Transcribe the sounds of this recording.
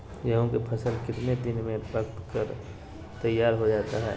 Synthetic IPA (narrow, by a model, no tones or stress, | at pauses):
jəɦõkepʰɐsəlkɪt̪ned̪ɪnmẽbɐkt̪kəɾ | t̪ɐjːaːɾɦod͡ʒaːt̪aɦɛ̰ː